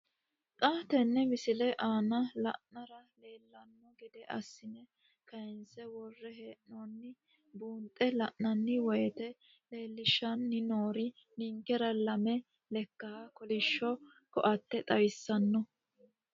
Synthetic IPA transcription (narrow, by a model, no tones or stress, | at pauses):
t̪ʼaːt̪ɛnːɛmɪsɪlɛʔaːnɐlɐ̰ʔnɐɾɐle̞ːlːɐnːɔɡɛd̪ɛʔɐ̰sːɪnɛ | kɐjɪnsɛwɔrːɛɦeːʔnonːɪ | buːnt̪ʼːɛlɐʔnɐnːɪwɔjɛt̪ɛ | le̞ːlːɪʃːɐnːɪnoːɾɪ | niŋkɛɾɐlɐmɛ | lɛkːɐhɐkɔlɪʃːɔ | kɔ̰ʔɐt̪ːɛt̪ʼɐjɪsːɐnːɔ